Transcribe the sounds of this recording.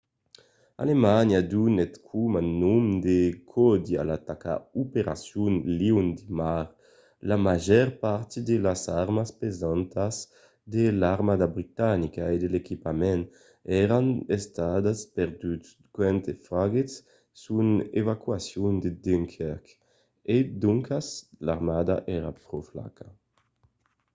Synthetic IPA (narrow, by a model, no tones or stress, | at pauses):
a̰lemanjad̪unɛt̪kʰumanumd̪ekʰɔd̪ia̰lat̪aka̰upeɾa̰sjunliwnd̪imaɾ | lamaʒɛɾpaɾt̪id̪elasaɾmaspezant̪as | d̪elaɾmad̪abɾit̪anikaed̪elekipamɛn | ɛɾanest̪ad̪aspɛɾd̪yts | kwɛnt̪efɾaɡesː | unḛvakwasjund̪ed̪eŋkʰɛɾk | ed̪uŋkaslaɾmad̪aʔɛɾa̰pɾɔfla̰ka